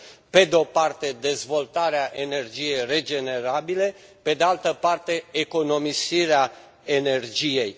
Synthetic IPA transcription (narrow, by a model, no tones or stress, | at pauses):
pe̞d̪eo̞part̪e̞d̪e̞zvo̞lt̪aɾeaʔene̞rd͡ʒije̞jre̞d͡ʒe̞ne̞ɾabile̞pe̞d̪ealt̪əpart̪e̞ːko̞no̞misiɾea | e̞ne̞rd͡ʒije̞j